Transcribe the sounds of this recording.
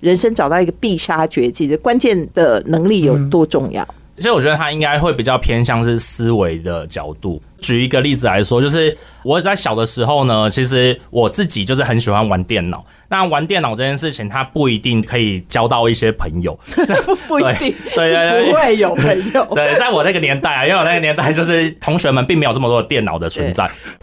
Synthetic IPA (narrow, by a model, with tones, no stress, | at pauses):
ɻə˧˦nʂə˥ŋʈ͡ʂɑ˨˩ʊt̪ɑ˥˩ʊi˧˥ɡə˧pi˥˩ʂa˥t͡ɕɥɛ˧˥t͡ɕi˥˩˥kwa˦nt͡ɕjɛ˥˨˩nd̪̥ə˩nɤ˧˥ŋli˥˨jo˨˩ʊt̪wɔ˥ʈ͡ʂʊ˥˧ŋjɑ̰˥˩ʊ | t͡ɕi˧˥ɻ̩˥wɔ˨˩t͡ɕɥɛ˧˥ə˧a˥i˦ŋka˥ɪxwe˥˩ɪpi˨˩t͡ɕjɑ˥˩ʊpʰjɛ˥nɕ̬jɑ˥˧ŋʂɻ̩˥˩sɹ̩˥we˧˥ɪd̪ə˨t͡ɕjɑ˨˩ʊt̪u˥˩ | t͡ɕy˨˩˧i˧˥ɡə˧li˥˩d͡z̩˨˩la˧˦ɪʂwɔ˥t͡ɕjo˥˧ʊʂɻ̩˥˩ | wɔ˨˦t͡sa˥˩ɪɕjɑ˨˩ʊd̪ə˩ʂɻ̩˧˥xo˥˩ʊnə˩t͡ɕʰi˧˥ʂ̬ɻ̩˧˦wʔɔ˨˩t͡sɹ̩˥˩t͡ɕi˨˩t͡ɕo˥˧ʊʂɻ̩˥˩xə˧˦nɕi˨˩xwa˧˦nwa˧˦nt̪jɛ˥˩nnɑ̰˨˩˦ʊ | na˥˨wa˧˦nt̪jɛ˥˩nːɑ˨˩ʈ͡ʂɤ˥˩t͡ɕjɛ˥˧nʂɻ̩˥˩t͡ɕʰi˨˩ŋt̪ʰa˥pu˥˩i˧˥t̪i˥˩ŋkʰɤ˧˥i˨˩t͡ɕjɑ˥ʊt̪ɑ˥˧ʊi˥˩ɕjɛ˦˥pʰə˧˥˦ŋjo˨˩ʊ˩na˥˩˥tu˥˩we˥˩˥we˥˧ɪt̪we˥˧˥we˥˩jo˨˩ʊpŋjo˨˦we˥˩ɪt͡sa˥˩ɪwɔ˨˩na˥˩ɡə˩njɛ˧˥nt̪a˥˩ɪa˨˥we˥˩˨na˥˩ɡə˨njɛ˧˥nt̪a˥˧ɪt͡ɕjo˥˧ʊʂ̬ɻ̩˥˩t̪ʰʊ˧˦ŋɕɥɛ˧˥mə˨npi˥ŋe˧˥ɪjo˨˩˥mə˧t̪wɔ˥d̪ə˨t̪jɛ˥˩nɑ̰˨˩ʊd̪ə˩t͡sʰwə˨˧˦nt͡sa˥˩ɪ